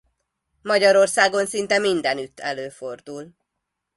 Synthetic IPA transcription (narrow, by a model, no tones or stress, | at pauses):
mɒɟɒɾo̞rsaːɡo̞nsint̪ɛmind̪ɛnyt̪ʰːɛløːford̪ul